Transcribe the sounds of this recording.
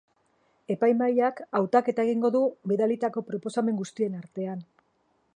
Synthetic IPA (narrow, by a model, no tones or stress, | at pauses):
e̞pajmajakawt̪ake̞t̪ae̞ɣ̞iŋɡo̞ðubeðalit̪ako̞pɾo̞po̞same̞ŋɡust̪ie̞naɾt̪e̞an